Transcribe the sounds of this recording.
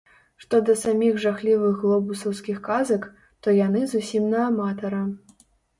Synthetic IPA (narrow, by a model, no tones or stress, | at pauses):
ʂt̪ɔd̪ɐsamʲiɣʐaxlʲivɨɣɣlˠɔbusɐwskʲixkazɐk | t̪ɔjanɨzusʲimnɐːmat̪ɐɾɐ